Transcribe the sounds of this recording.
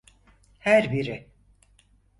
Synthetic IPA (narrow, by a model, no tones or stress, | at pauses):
hæɾbiɾɪ